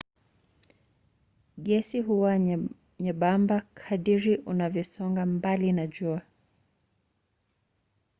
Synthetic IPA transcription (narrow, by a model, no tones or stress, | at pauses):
ɠɛsiɦuwa | ɲɛɓambakʰaɗiɾiʔunavjɔsɔŋɡambalinaʄua